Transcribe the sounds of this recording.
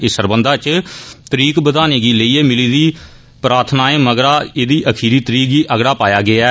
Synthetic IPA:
ɪsəɾbənd̪aːt͡ʃt̪əɾiːkbəd̪aːneːɡiːləiːɛːmɪliːd̪iː | pɾaːt̪ʰnaːẽːməɡɾaːeːd̪iːʔəkʰiːɾiːt̪əɾiːkiːʔəɡɽaːpaːjaːɡɪaː

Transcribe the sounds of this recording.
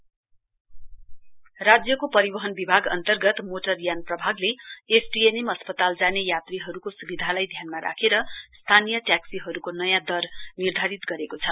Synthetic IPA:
rad͡zjʌkopʌɾibʌɦʌnbibʱaɡʌ̰nt̪ʌrɡʌt̪moʈʌrjanprʌbʱaɡleesʈienemʌspʌt̪ald͡zanejat̪riɦʌɾukosubid̪ʱalajd̪ʱjanmaɾʔa̰kʰeɾʌst̪ʰanijʌʈjaksiɦʌɾukonʌjãd̪ʌrnird̪ʱaɾit̪ɡʌɾekot͡sʰʌ

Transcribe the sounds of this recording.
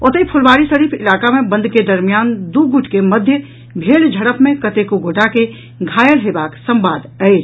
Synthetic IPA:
ot̪əipʰʊlʋaːɾisəɾiːpʰɪ̰laːkamẽbə̃nd̪ʱked̪əɾmijaːnd̪uɡuʈʰkeməd̪ʱjə | bʱeːld͡ʒʱəɽəpmẽkət̪ekuɡoːʈake | ɡʱaːjəɽɦebaːksə̃mbaːd̪əe

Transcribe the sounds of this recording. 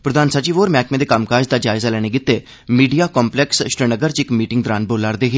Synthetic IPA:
pɾəd̪aːnsət͡ʃiːʋoːɾmɛːkmẽːd̪eːkamkaːd͡ʒd̪aːd͡ʒaːɪzaːlɛːɽ̃eːɡɪt̪ːeː | miːɖijaːkɔːmplɛksʃɾenəɡəɾt͡ʃɪkmiːʈɪŋɡd̪əɾaːnboːlaːɾd̪eːɦeː

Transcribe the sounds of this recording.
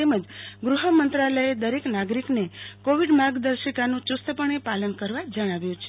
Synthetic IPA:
eməd͡ʒɡɾuɦəmənt̪ɾaləjed̪əɾeknaɡɾiknekoʋiɖmaɡd̪əɾʃəkanũt͡ʃust̪əpəɳ̃epalənkəɾʋad͡ʒəɽ̃aʋjũt͡ʃʰe̥

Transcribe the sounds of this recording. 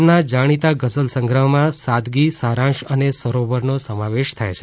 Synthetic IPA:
nad͡ʒaɽ̃it̪aɡəsəlsə̃ŋɡɾəɦmãsad̪ɡisaɾãʃənesəɾobəɾnosəmaʋeʃt̪ʰajt͡ʃʰe

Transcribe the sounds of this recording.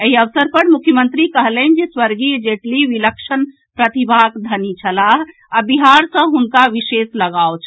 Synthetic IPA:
əɦiəʋsəɾpəɾmukʰjəmənt̪ɾikəɦlənd͡ʒeswəɾɡid͡ʒeʈliʋiləkʃən | pɾət̪ibʱakd̪ʱənit͡ʃʰəlaɦ | abiɦaɾsə̃ɦunkaʋisesləɡaot͡ʃʰ

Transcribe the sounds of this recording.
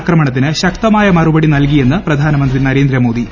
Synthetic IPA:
kɾɐmɐɳɐt̪̬ːinɨɕɐk̚t̪ɐmaːjɐmɐrubɐɽinɐlk̬ije̞nːɨprɐd̪ʱaːnɐmɐnd̪rinɐɾeːnd̪ɾɐmoːd̪i

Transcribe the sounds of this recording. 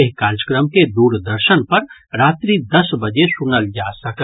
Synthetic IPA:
eɦkaːɾd͡ʒəkɾəmked̪uːɾd̪əɾʃənpɐɾɾaːt̪ɾid̪ɐsbɐd͡ʒesʊnəld͡ʒaːsɐk

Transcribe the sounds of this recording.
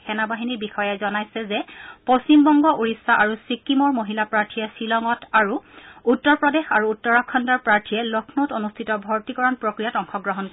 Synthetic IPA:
xɛnabaɦiniɹbixɔjɛzɔnajsɛzɛpost͡ɕimbɔŋɡɔʔuɹisːaʔaɹusikːimɔɹmoɦilapɹaɹtʰiɛsilɔŋɔtaɹuutːɔɹpɹɔdexaɹuːtːɔɹɔkʰːɔndaɹpɹaɹtʰijɛlɔkʰnotonustʰitɔbʱɔɹtikɔɹɔnpɹokɹijatɔŋxɔɡɹɔɦɔnk

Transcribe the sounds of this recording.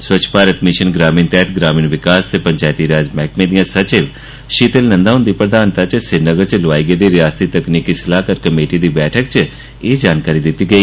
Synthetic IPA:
swət͡ʃʰpaːɾət̪mɪʃənɡɾaːmiːnt̪ɛɦt̪ɡɾaːmiːnʋɪkaːst̪eːpəɲt͡ʃaːjt̪iːɾaːd͡ʒmɛːkmẽd̪ijãːsət͡ʃeːʋ | ʃiːt̪əlnə̃nd̪aɦʊ̃nd̪iːpɾəd̪aːnt̪at͡ʃsɪɾnəɡəɾt͡ʃləʋaːiːɡeːd̪iːɾɪjaːst̪iːt̪əkniːkisəlaːkəɾkəmeːʈiːd̪iːbɛːʈʰəkt͡ʃ | eːd͡ʒaːnkaːɾiːd̪ɪt̪ːiːɡəiː

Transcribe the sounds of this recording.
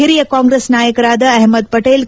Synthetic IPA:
ɪɾijəkãːŋɡɾeːsnaːjəkɾaːd̪əɛɦməd̪̚pɐʈeːl

